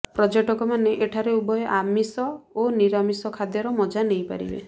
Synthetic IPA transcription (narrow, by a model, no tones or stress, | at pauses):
pɾɔd͡ʒeʈɔkɔmaneʔeʈʰaɾeubɔjɔʔamisɔoniɾamisɔkʰad̪jɔɾɔmɔd͡ʒanejpa̰ɾḭbḛ